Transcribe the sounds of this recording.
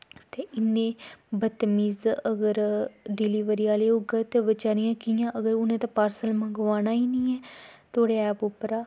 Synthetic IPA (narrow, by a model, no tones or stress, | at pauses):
t̪eːʔɪnːẽːbət̪miːzəɡəɾɖɪliːʋəɾiːaːleːʊɡət̪eʋət͡ʃaːɾijãːkijãːʔəɡəɾʊnẽːt̪apaːɾsəlmə̃ɡʋaːnaːiːnĩːɛːt̪ʰoːɽeːɛːpʊpɾaː